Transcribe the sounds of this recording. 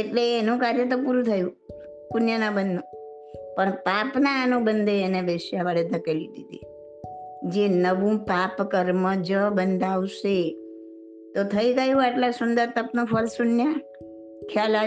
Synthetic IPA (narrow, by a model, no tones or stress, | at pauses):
eʈleːnũkaɾjət̪̬opuɾũt̪ʰəjũ | kʊnjənabənːũ | pəɳpapnaːnũbənd̪ʱeːnebeʃaʋaɽed̪ʱəkelid̪id̪i | d͡ʒenəʋũpapkəɾməd͡ʒəbənd̪ʱaʋʃe | t̪ot̪ʰəiɡəjũaʈlasʊnd̪əɾt̪əpnõfʰəlsʊnjə | kʰjala